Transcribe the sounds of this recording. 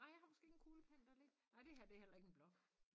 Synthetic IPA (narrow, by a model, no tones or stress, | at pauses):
nɑ̈ɪ̰jɑ̈ɪhɑ̈mɒ̽sɡ̥e̝ːeɡ̥n̩kʰuːləpʰæn̰d̥æɐle̥nɑ̈ɪd̥e̝hæɐ̰d̥e̝hel̰ɐe̝ɡ̥enb̥lɒ̽ɡ̥